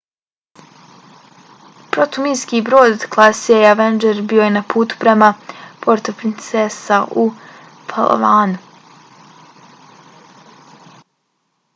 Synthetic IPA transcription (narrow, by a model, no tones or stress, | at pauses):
pɾot̪umiskibɾoːd̪klˠasijejaʋend͡ʒeɾbijo̞jenapʰuːt̪u̥pɾemapo̞ɾt̪opɾint̪sesau | pʰa̰lˠʔo̰ʋaːnu